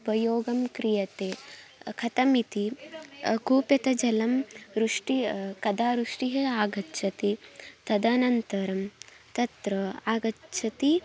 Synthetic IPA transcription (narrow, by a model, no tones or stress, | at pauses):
pɐjoːɡɐmkɾijɐt̪eːkʰɐt̪ɐmit̪i | kuːpjɐt̪ɐd͡ʒɐlɐmɾuʂʈikɐd̪aːɾuʂʈiɦeaːɡɐtːʃʰɐt̪it̪ɐd̪ɐnɐnt̪ɐɾɐm | t̪ɐt̪ɾɐaːɡɐt͡ʃʰɐt̪i